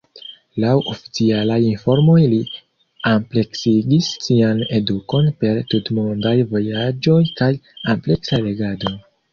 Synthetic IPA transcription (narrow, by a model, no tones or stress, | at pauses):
lawʔo̞fi̥t͡sialajinfo̞ɾmo̞jli | ample̞ksiɡisːiane̞duko̞npe̞ɾtutmondajvo̞jad͡ʒo̞jkajample̞ksale̞ɡado̞